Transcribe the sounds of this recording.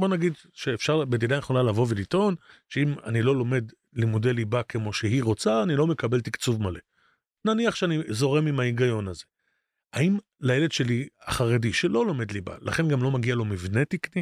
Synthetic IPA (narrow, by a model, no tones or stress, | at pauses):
bo̞naɡid̪ | ʃeːfʃaʁbedid̪aneχonalavo̞velito̞nʃeima̰nilo̞lo̞me̞d | limudelibake̞mo̞ʃeɦiʁo̞t͡saːnilo̞me̞kabe̞lt̪ikt͡suvmale̞ | naniaχʃeanizo̞ʁe̞mimaiɡajo̞naze̞ | aim | lajeledʃe̞liaχaʁediʃelo̞lo̞me̞dliba̰laχe̞nɡamlo̞maɡialo̞mivne̞t̪ikni